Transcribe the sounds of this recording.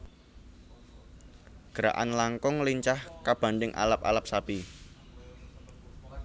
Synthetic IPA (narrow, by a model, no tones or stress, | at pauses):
ɡ̥əɾa̰ʔa̰nlaŋkʊŋliɲt͡ʃahkab̥a̤nɖɪŋʔa̰lapa̰lap̚sapi